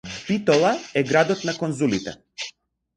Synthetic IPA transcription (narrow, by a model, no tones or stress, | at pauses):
pit̪ɔlˠaɛɡɾad̪ɔt̪nakɔnzulit̪ɛ̰